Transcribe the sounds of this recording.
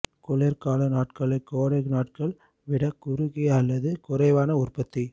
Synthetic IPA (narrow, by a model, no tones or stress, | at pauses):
kʊlɛɾkaːlɐnaːʈ̚kɐɭɐɪkːoːɾɐknaːʈkɐɭ | ʋɪɽɐkʊɾɯɣɪɐlːɐðɯkʊɾɐɪʋaːnɐʊrpɐt̪ːi